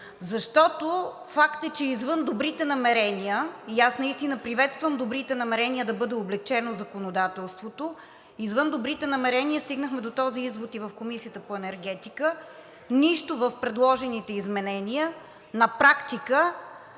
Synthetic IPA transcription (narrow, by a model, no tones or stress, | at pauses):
zɐʃt̪ɔt̪o | fakt̪ət͡ʃɛizvɤnd̪obɾit̪ɛnɐmɛɾɛniəiasnɐist̪inəpɾivɛt̪st̪vəmd̪obɾit̪ɛnɐmɛɾɛnʲiəd̪ɐbɤd̪ɛoblɛk̚t͡ʃɛnozɐkonod̪at̪ɛlˠst̪vot̪o | izvɤnd̪obɾit̪ɛnɐmɛɾɛniəst̪iɡnəxmɛd̪ot̪ɔziizvot̪ivəfkomisijət̪əpoɛnɛɾɡ̟ɛt̪ikə | niʃt̪ovəfpɾɛd̪lˠɔʒɛnit̪ɛizmɛnɛniə | nɐpɾakt̪ikə